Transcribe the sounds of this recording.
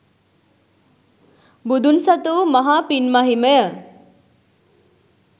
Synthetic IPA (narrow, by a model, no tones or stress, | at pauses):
bud̪unsʌt̪umʌɦapinmaɦiməjə